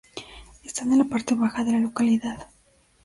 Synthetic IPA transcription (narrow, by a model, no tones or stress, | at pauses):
est̪anenlːapaɾt̪e̞βaxaðe̞lalo̞kaliðað